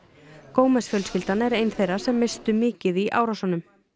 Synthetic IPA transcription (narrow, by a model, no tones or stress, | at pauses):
koːwmɛsfjœlscɪlt̪anɛɾeːjnθejrːasɛmːɪst̪ʏmɪːcɪðiʔa̰ːwɾawsanʏm